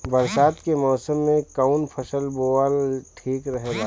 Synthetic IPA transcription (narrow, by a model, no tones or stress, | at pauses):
bɐɾsaːt̪kemɔːsəmːẽkaʊnpʰɐsəlboːalʈʰiːkɾɐɦeːɡaː